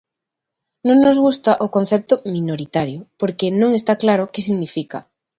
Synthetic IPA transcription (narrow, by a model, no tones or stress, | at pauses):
nõŋnozɣust̪aʔokon̟θɛp̚t̪ʊmĩnoɾit̪aɾjopoɾkenõŋest̪aklaɾokesiɣnifika̰